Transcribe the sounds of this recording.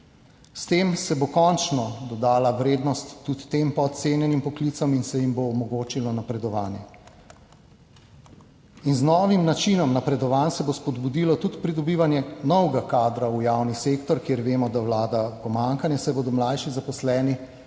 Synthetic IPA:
st̪eːmsɛbokɔnt͡ʃnɔd̪ɔd̪aːlaʋɾeːd̪nɔst̪ːut̪t̪empɔt̪t̪seːnjɛnimpɔklit̪saminsɛjimboːmɔɡoːt͡ʃilɔnapɾɛd̪ɔʋaːnjɛ | inznɔːʋimnat͡ʃinɔmnapɾɛd̪ɔʋaːnsɛbospɔd̪bud̪ilɔt̪ut̪pɾid̪ɔbiːʋanjɛnɔwɡakaːd̪ɾaujawniseːkt̪ɔɾkjeɾʋeːmɔd̪awlaːd̪apɔmaŋkanjɛsɛbod̪ɔmlajʃizapɔslɛːni

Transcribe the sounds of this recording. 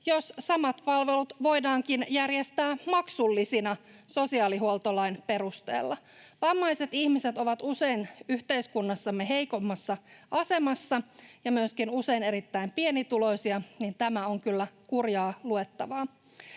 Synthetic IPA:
jossɑmɑt̪pɑlʋe̞lut̪ʋo̞jdɑːŋkinjærjest̪æːmɑksulːisinɑso̞siɑːliɦuolt̪olɑinpe̞ɾust̪ḛːlːɑ | ʋɑmːɑjse̞t̪ihmiset̪o̞ʋɑt̪use̞inyht̪e̞iskunːɑsːɑmːeɦe̞ijko̞mːɑsːɑɑse̞mɑsːɑjɑmyøskinuse̞ine̞ɾit̪ːæimpie̞nit̪ulo̞isiɑnint̪æmæoŋkylːækurjɑːlue̞t̪ːɑʋɑː

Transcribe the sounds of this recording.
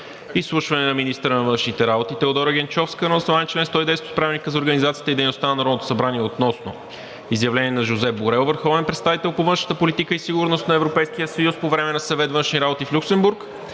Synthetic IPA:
islˠuʃvɐnɛnɐminist̪əɾənɐvɤnʃnit̪ɛɾabot̪it̪ɛod̪ɔɾəɡʲɛnt͡ʃɔfskənɐəsnoaɛnt͡ʃlɛnst̪ɔjd̪ɛjsvojspɾavɛlnikəzɐoɾɡənizat̪siət̪id̪ɛjnost̪anɐnɐɾɔnot̪o̥sɐbɾaniɛot̪nɔsno̰ | izjɐvlɛniɛnɐʒozɛboɾɛlˠvəɾxɔvɛnpɾɛt̪st̪avit̪ɛlˠpovɤnʃnə̥t̪əpolit̪ikəisiɡʊɾnost̪nɐɛvɾopɛjsk̟ijəsɐjuspovɾɛmɛnɐsɐvɛt̪vɤnʃniɾabot̪iflʲuksɛmbuɾk

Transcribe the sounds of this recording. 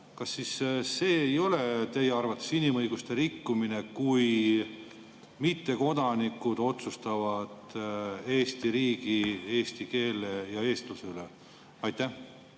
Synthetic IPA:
kɑsːisːe̞ːejo̞le̞t̪e̞jeɑrvɑt̪ːˑe̥sinimɤjɡ̥ust̪e̞ɾikːumine̞kuj | mit̪ːe̞ko̞d̪̥ɑnikːˑud̪̥o̞t̪sust̪ɑvɑd̪̥e̞ːst̪iɾiːɡ̥ie̞ːst̪ike̞ːlejɑe̞ːst̪luseylḛ | ɑjt̪ːæh

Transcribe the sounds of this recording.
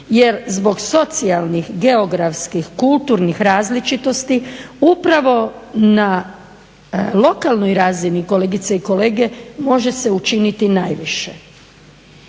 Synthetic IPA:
jeɾzbo̞ɡso̞t̪sialˠnixɡeo̞ɡɾafskixkult̪uːɾnixɾaːzlit͡ʃit̪o̞st̪iupɾaʋo̞na | lo̞kalˠnojɾaːziniko̞leɡit̪saiko̞le̞ːɡe̞mo̞ʒe̞se̞ut͡ʃinit̪inajʋiʃe

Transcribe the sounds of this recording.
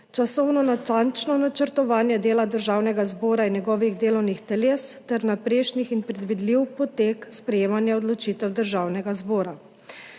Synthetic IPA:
t͡ʃasɔwnɔnat̪ant͡ʃnɔnat͡ʃəɾt̪ɔʋaːnjɛd̪eːlad̪əɾʒaːwnɛɡazbɔːɾainjɛɡɔːʋiɣd̪eːlɔwnixt̪ɛleːst̪ɛɾnapɾeːʃnixinpɾɛd̪ʋid̪liwpɔt̪eːkspɾɛjeːmanjɛɔd̪lɔt͡ʃit̪ɛwd̪əɾʒaːwnɛɡazbɔːɾa

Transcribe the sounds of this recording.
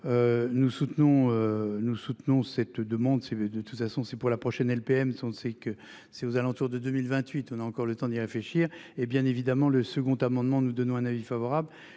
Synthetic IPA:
ønusut̪nɔ̃ønusut̪nɔ̃sɛt̪d̪əmɑ̃d̪sɛd̪ət̪u̥t̪fasɔ̃sɛpuʁlapχɔʃɛnɛlpeɛmsɔ̃sɛkə | sɛozalɑ̃t̪uʁd̪əd̪ømilvɛ̃t̪ɥit̪ɔ̃naɑ̃kɔʁlət̪ɑ̃d̪iʁefleʃiʁebjɛ̃nevid̪amɑ̃ləsəɡɔ̃t̪amɑ̃d̪mɑ̃nud̪ɔnɔ̃ɛ̃navifavɔʁabl

